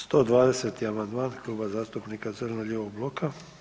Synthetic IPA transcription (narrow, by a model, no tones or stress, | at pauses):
st̪o̞ːd̪ʋaːd̪e̞set̪iamand̪maːnklˠuːbazaːst̪upnikat̪sərnoʎʲeːʋoɡ̚blˠo̞ka